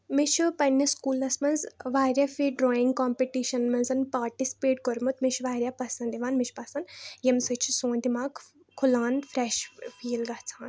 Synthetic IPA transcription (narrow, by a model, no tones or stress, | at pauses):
mit͡ʃʰupɐnːɐskuːlɐsmɐnzʋaːɾʲjafiɖɾɔːiŋɡkɔːmpeʈiʃɐnmɐnzɐnpaːɾʈisi̥peːʈkɔɾmut̪miʃʰʋaːɾʲjapɐsɐnd̪iʋaːnmiʃʰpɐsɐnjɐmsɐt͡ʃʰi̥soːnd̪imaːk | kʰulaːnfɾɛʃfʰiːlɡɐt͡sʰaːn